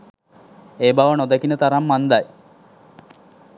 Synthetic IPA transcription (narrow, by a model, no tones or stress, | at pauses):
eːbaʋənod̪ɐkinət̪aɾamːand̪aj